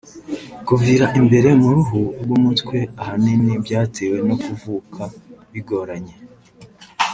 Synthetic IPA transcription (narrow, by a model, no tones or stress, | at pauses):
kuviːɾaʔimbe̞ɾe̞muɾuɦuɾɡumutkwe̞ahaninibɟaːtʰeːwe̞nokuvuːkʰaβiɡo̞ɾaɲe